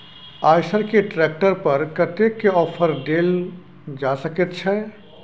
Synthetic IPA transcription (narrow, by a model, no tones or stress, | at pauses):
ajsəɾkeʈɾɛk̚ʈəɾpəɾkət̪ekːeɔːpʰəɾɖel | d͡ʒasəkɛt̪t͡ʃʰɛ